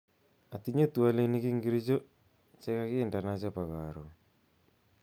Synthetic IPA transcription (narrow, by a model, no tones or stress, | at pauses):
at̪iɲetualenikiŋɡiɾit͡ʃo | t͡ʃɛkakɪːndanat͡ʃapaɣaɾo